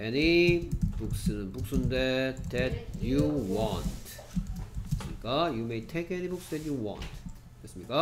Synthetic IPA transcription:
enib̥uksɯnɯnbuk̚s͈unded̪ɛtjuwãntʰ | sɯmɲikajumejtʰeɪkenibuksd̪ɛtjuwã̰nt | es͈ɯmɲika

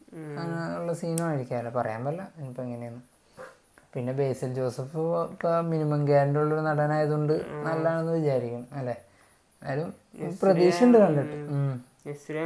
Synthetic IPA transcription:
uɭːɐsiːnɐmaːjiɾikʲːaːmɐlːɐpɐrɐ̰ja̰ːmbɐlːɐenipːoeŋːɐne̞junːɨ | pinːe̞be̞ːsɐld͡ʑo̞ːsɐfkːɐminimɐŋɡaːɾindeuɭːɐoɾunɐɽɐnaːjɐðuɳɖɨnɐlːaːɳenːɨʋid͡ʑaːɾikʲːuɳɐmɐlːe | na̰ːlum | prɐd̪iːʂɐɳɖɨkɐɳɖiʈːɨm

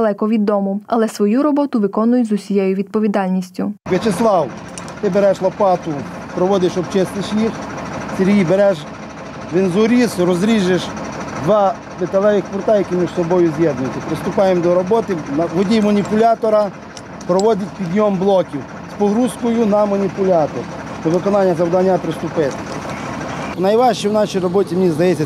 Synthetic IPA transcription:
lˠɛkɔʋʲid̪ːɔmʊɐlˠɛsʋɔjuɾɔbɔt̪ʊʋɪkɔnʊjʊzʊsʲijɛjʊʋʲid̪̚pɔʋʲid̪ɑlʲnʲisʲtʲʊʋʲjɐt͡ʃeslˠɑwt̪ɪbeɾɛʃlˠɐpɑt̪ʊpɾɔʋɔd̪ɪʃɔbt͡ʃɛst̪ɪʃjixseɾʲɦijbeɾɛʃ | ʋenzʊɾʲisɾɔzɾʲiʒeʃd̪ʋɑ | b̪ɪt̪ɐlˠɛʋɪxpʊrt̪ajɐkʲimʲiʒsɔbɔjʊzjɛd̪nʊjʊtʲːɐpɾɪst̪ʊpɑjemd̪ɔɾɔbɔt̪ɪnɐʋɔdʲijmɐnʲipʊlʲɑt̪ɔɾɐ | pɾɔʋɔd̪ʲɐtʲpʲid̪ʲjɔmblˠɔkʲiw | spɔɦɾuzkɔjʊnɐmɐnʲipʊlʲɑt̪ɔ̰rnɐʋɪkɔnɑnʲːɐzɐwd̪ɐnʲːapɾɪst̪ʊpɪt̪ | nɐjʋɑʃt͡ʃɛwnɑʃijrɔbɔtʲimnʲizd̪ɐjɛt͡sʲːɐ

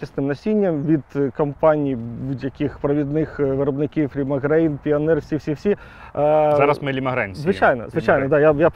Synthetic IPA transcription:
ɐsnɪmnɐsʲinʲːɐmʋʲid̪kɐmpɑnʲijbud̪ʲjɐkʲixpɾɐʋʲid̪nɪxʋɪɾɔbnɪkʲiwlʲimɐɦɾɛjnpʲiɐnɛrfsʲifsʲifsʲi | zaɾɐsmɪlʲimɐɦɾɛjnʲzʲʋɪt͡ʃajnɔ̰zʋɪt͡ʃajnɔd̪ɑjaja

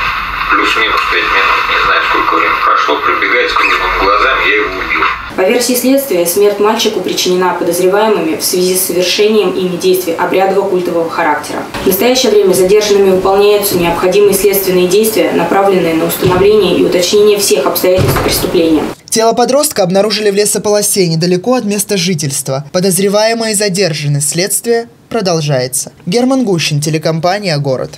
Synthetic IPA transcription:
plʲusʲmʲimoʂt̪əɪzʲmʲenɨnʲɪznajʊt̪kolʲkəɾʲɛmʲpɾɐʂlˠopɾʲɪbʲɪɡaɪt̪ʲkʊlʲɪvɨmɡlˠɐzamʲjaɪoʊbʲilˠ | pɐvʲersʲiːsʲlʲe̞t̪st̪vʲɪjəsmʲe̞rtʲmalʲt͡ɕɪkʊpɾʲɪt͡ɕɪnʲɪnapəd̪əzɾʲɪvajɪmɨmʲɪfsvʲɪzʲisːəvʲɪrʂɛnʲɪjəmimʲɪdʲejst̪vʲɪjʔɐbɾʲad̪əvəkulʲt̪əvəvəxɐɾaktʲɪɾə̰vnəst̪ɐjæɕːɪjəvɾʲemʲəzɐdʲe̞rʐɨnːɨmʲɪvɨpɐlˠnʲæjʊt̪sənʲɪɐpxɐdʲimɨjəsʲlʲe̞t̪st̪vʲɪnːɨjədʲejst̪vʲɪjənɐpɾavlʲɪnːɨjənəʊst̪ənɐvlʲenʲɪjəʔiʊt̪ɐt͡ɕnʲenʲɪjəfsʲe̞xɐpst̪ɐjætʲɪlʲst̪fpɾʲɪst̪ʊplʲenʲɪjə̰ | tʲelˠəpɐd̪ɾo̞st̪kəɐbnɐɾuʐɨlʲɪvlʲesəpəlˠɐsʲejnʲɪd̪əlʲɪko̞ɐt̪mʲe̞st̪əʐɨtʲɪlʲst̪vəpəd̪əzɾʲɪvajɪməjəizɐdʲe̞rʐɨnːəsʲtʲsʲlʲet̪st̪vʲɪjə | pɾəd̪ɐlˠʐajɪt̪sə̥ɡʲermənɡuɕːɪntʲɪlʲɪkɐmpanʲɪjəɡo̞ɾə̰t̪

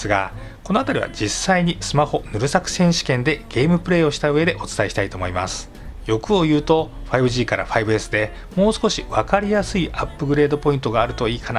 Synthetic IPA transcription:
ɨɡa̰ko̞no̞at̪aɾʲḭβa̰d͡ʑisːaiɲ̟isɨmaho̞nɯ̟ɾɯ̟sakɯ̟̥sẽ̞ɰ̃ɕi̥kẽ̞nd̪e̞ɡ̥e̞ːmɯ̟pɯ̟ɾe̞ːoɕi̥t̪aɯ̟e̞d̪e̞ʔo̞t͡sɨ̥t̪aeɕi̥t̪ait̪o̞ːmo̞ima̰sɨ̥ | jo̞kɯ̟o̞jɯ̟ːt̪o̞ɸaibɯ̟ʑiːkaɾa̰ɸaibɯ̟e̞sɨd̪e̞ | mo̞ːsɨ̥ko̞ɕiβakaɾʲijasɨiʔapːɯ̟ɡɯ̟ɾe̞ːd̪o̞po̞ĩnt̪o̞ɡaːɾɯ̟t̪o̞iːkʰana

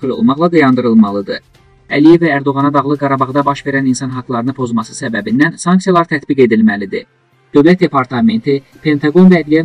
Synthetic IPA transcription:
ilo̰lˠmɑχlˠɑd̪ɑjɑnd̪ɯɾɯlˠmɑlˠɯd̪ɯ | ælijevæːɾd̪o̞ɣɑnɑd̪ɑɣlˠɯɡɑɾɑbɑʁd̪ɑbɑʃve̞ɾæninsɑnɦɑɡlˠɑɾɯnɯpʰo̞zmɑsɯ̥sæbæbind̪ænsɑŋksijɑlˠɑɾt̪ʰæt̪biɡe̞d̪ilmælid̪i | d̪̥ø̞vlæt̪̚d̪epʰɑɾt̪ʰɑme̞nt̪ʰi | pʰe̞nt̪ʰɑɡo̞nvæːd̪lijæ

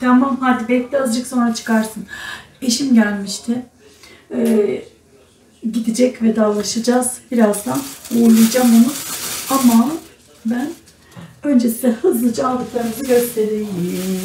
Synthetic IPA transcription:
t̪ʰamamhad̪ibɛt̪ʲɛazd͡ʒɯkso̞nɾat͡ʃʰɯ̥kʰaɾsɯn | iʃimɟælʲmiʃt̪ʰɪ | ɛ | ɟid̪id͡ʒɛcvɛd̪alˠaʃad͡ʒazbiɾazd̪anuːɾlˠujd͡ʒamonuama | bæn | ø̞nd͡ʒesiɛhɯzˠd͡ʒalˠd̪ɯklˠaɾɯzɯɟø̞st̪ʰeɾij

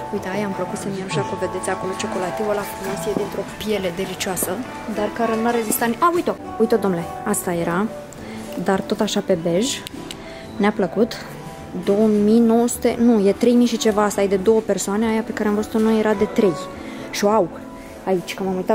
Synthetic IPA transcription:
ujt̪eajampləkut̪səmienuʃakumve̞d̪e̞t̪sʲako̞lo̞t͡ʃo̞kolat̪ivəlakumisied̪int̪ɾo̞pije̞led̪e̞lit͡ʃoasə | d̪arkaɾenaɾezist̪anʔaujt̪o | ujt̪od̪o̞mnleast̪aje̞ɾa | d̪art̪o̞t̪aʃape̞be̞ʒ | neapləkut̪ | d̪o̞wəmino̞wəsu̥t̪e̞nujet̪ɾe̞jmiʃit͡ʃe̞vaast̪ajd̪e̞d̪o̞wəpersoaneajape̞kaɾeamɱvəzu̥t̪onojeɾad̪e̞t̪ɾe̞j | ʃio̞aw | ait͡ʃʲkəmamujt̪a

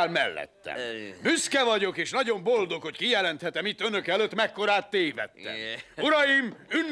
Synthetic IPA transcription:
lmɛlːɛ̰t̪ːɛ̰byskɛvɒɟo̞keːʃnɒɟo̞mbold̪o̞kho̞ckijɛlɛnt̪hɛt̪ɛmit̪ːønøkɛløt̪ːmɛkːo̞ɾaːt̪ːeːvɛ̰t̪ːɛ̰uɾɒjimynː

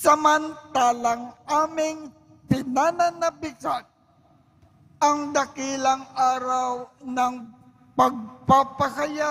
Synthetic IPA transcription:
sɐmɐnt̪aːlɐŋʔaːmɪŋ | pɪnaːnɐnɐbɪt͡ʃat̪̚ | ɐŋd̪ɐkiːlɐŋʔaːɾawnɐŋ | pɐɡ̚papɐkɐja

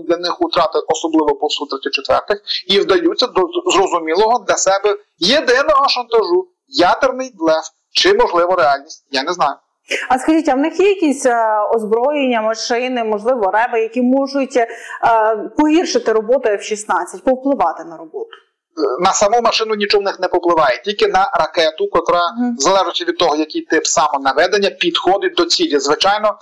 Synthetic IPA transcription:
d̪lʲɐnɪxʊt̪ɾɑt̪ɪʔɔsɔblˠɪʋɔpɔwsut̪ɾɪt̪ʲːɐt͡ʃːet̪ʋɛ̰rt̪ɪxiwd̪ɐjut͡sʲːɐdzrɔzʊmʲilˠɔɦɔd̪lʲɐsɛbɛ | jed̪ɪnɔɦɔʃɐnt̪ɐʒu | jad̪ernɪjd̪lˠɛf | t͡ʃɪmɔʒlˠɪʋɐɾeɑlʲnʲisʲt̚ʲjanɛznɑjʊ | ɐskɐʒitʲɐwnɪxjɛjɐkʲisʲɔzbɾɔjenʲːɐmɐʃɪnɪmɔʒlˠɪʋɔɾɛbɐjɐkʲimɔʒʊtʲ | pɔɦʲirʃɪt̪ɪɾɔbɔt̪ʊɛwʃisnɑt͡sʲːɐtʲpɔwplˠɪʋɑt̪ɪnɐɾɔbɔt̪ʊ̥ | nɐsɐmumɐʃɪnʊnʲit͡ʃɔwnɪxnɛpɔplˠɪʋɑjetʲilʲkɪnɐɾɐkɛt̪ʊkɔt̪ɾɑzɐlˠɛʒɪt͡ʃʲɐʋʲid̪̚t̪ɔɦɔjɐkɪjt̪ɪpsɑmɔnɐʋɛd̪enʲːɐpʲid̪xɔd̪ɪd̪ɔt͡sʲilʲizʋɪt͡ʃɑjnɔ

